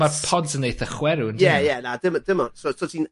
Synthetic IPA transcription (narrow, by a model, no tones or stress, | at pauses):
marpʰɔdənejθəχwɛɾuəndɛjɛnadɪmdɪmɔnsosɔtin